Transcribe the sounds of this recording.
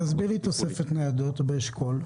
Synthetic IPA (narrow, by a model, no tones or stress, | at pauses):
azbiʁlit̪o̞sefet̪nead̪ot̪beeʃkʰol